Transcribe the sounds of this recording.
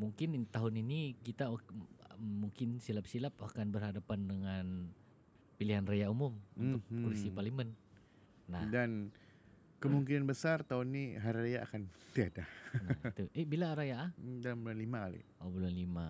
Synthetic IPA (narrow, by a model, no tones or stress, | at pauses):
muŋkɪnit̪aɦʊninikit̪aː | uŋkɪnsilap̚silapakanbərhadapandəŋan | piliɦanrajaumʊmunt̪ʊk̚ːulisiparlimənː | ahdan | kəmuŋkinanbəsart̪aʊnːiɦaɾiɾajaʔːkant̪iadat̪uʔɛbilaɾajaadalambulanlimakalḭ | abulanlima